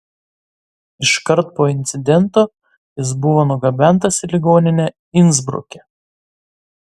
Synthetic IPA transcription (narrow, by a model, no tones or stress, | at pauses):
ɪʃkɐɾt̪poːɪnʲt̪sʲɪd̪ʲɛnˑt̪oː | jɪs̬bʊʋoːnʊɡɐbʲɛˑnˑt̪ɐsʲɪlʲɪɡoːnʲɪnʲɛ | ɪnzbɾʊ̰kʲɛ